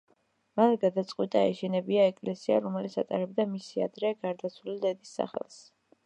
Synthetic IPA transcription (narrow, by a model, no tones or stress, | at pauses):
manɡad̪at̪sʼqʼwit̪ʼaɛ̰ʃɛnɛbiaɛkʼlɛsiaɾɔmɛlit̪sʰa̰t̪ʼaɾɛb̚d̪amisia̰d̪ɾɛɡaɾd̪at̪sʰwulid̪ɛd̪isːa̰χɛ̰lˠs